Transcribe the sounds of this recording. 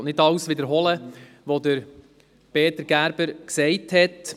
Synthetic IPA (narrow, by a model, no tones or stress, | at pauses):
nɪtɑʊsʋɪd̪əɾɦɔlə | ʋod̪əɾ | peːtəɾɡ̥æɾbəɾksɛɪthɛt